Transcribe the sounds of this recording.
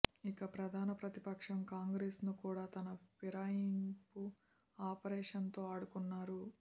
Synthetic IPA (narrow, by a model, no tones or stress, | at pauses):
ikɐpɾɐd̪ʱaːnɐpɾɐt̪ipɐkʂɐmkaːŋɡɾeːsnukuːɽaːt̪ɐnɐpiɾajimpu | aːpɐɾɛːʂɐnt̪o̞ːaːɽukunːaːɾu